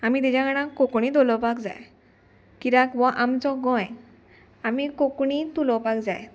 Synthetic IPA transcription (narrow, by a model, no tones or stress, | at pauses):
amid̪ed͡ʑaɡanakokuɽid̪ɔlɔpakd͡za̰j | kiɾakbɔʔamt͡ʃɔɡɔj | amikokunit̪ulɔpakd͡zaj